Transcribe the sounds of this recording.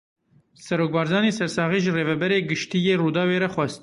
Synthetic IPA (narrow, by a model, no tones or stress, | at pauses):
sɛɾoːk̚bɑːɾzɑːneːsɛɾsɑːɣiːʒɨreːvɛbɛɾeːɡɨʃt̪ijeːruːd̪ɑːweːɾɛxʷɛst̪